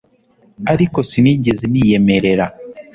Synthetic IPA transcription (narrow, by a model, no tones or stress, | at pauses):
aɾiko̞siniːɟezenije̞me̞ɾe̞ɾa